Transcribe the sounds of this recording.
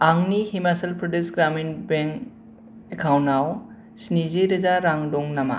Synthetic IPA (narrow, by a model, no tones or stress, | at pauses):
aŋnihimasalpʰɾɔdusɡɾaminbeŋ | ekʰawnaw | sniziɾɯzaɾaŋdɔŋnama̰